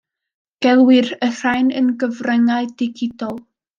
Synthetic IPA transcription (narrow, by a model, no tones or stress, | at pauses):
ɡ̥ɛlˠwɪrər̥ajnənɡəvrɛŋaɨdɪɡɪdɔlˠ